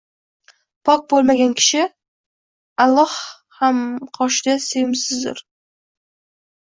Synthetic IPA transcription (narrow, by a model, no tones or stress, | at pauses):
pʰɒk̚bolˠmaɡʲankʲʰɪ̥ʃɪ | alˠːɒh | hamqʰɒʃd̪asejɪmsɪzd̪ɪ̰ɾ